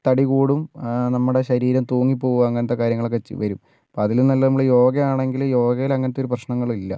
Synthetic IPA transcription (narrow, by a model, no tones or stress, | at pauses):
t̪ɐɽiɣuːɽumnɐmːuɽe̞ɕɐɾiːɾɐmt̪uːŋːipːo̞ːɣuɣɐɐŋːɐnɐt̪ːe̞kaːɾjɐŋːɐɭokːeet͡ɕːɨ̰ʋɐɾum | poːɐðilnɐlːɐnɐmːuɭjo̞ːɡɐjaːɳe̞ŋɡiljo̞ːɡɐjilɐŋːɐnɐt̪ːoɾuprɐɕɳɐŋːɐɭilːɐ̰